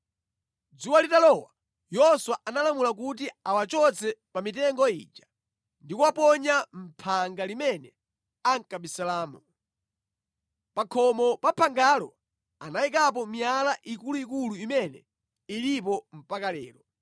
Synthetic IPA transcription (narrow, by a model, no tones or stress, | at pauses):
d͡zuwalitalɔwa | jɔswaʔanalamulak̬ut̬iawat͡ʃɔt͡sʰɛpamit̬ɛŋɡɔḭːd͡ʒa | ndikuwapɔɲam̩pʰaŋɡalimɛnɛ | aŋkaɓisalaːmu | pakʰɔmɔpapʰaŋɡalɔ̰ | anaik̬ap̬ɔmijalaʔikuluikuluimɛnɛ̰ | ilip̬ɔm̩pakalɛ̰ːɾɔ